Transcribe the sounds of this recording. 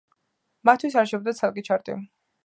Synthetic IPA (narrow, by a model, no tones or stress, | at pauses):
mat̪ʰːwis̬aɾʃɛb̚d̪at̪sʰalˠkʼit͡ʃʰaɾt̪ʼḭ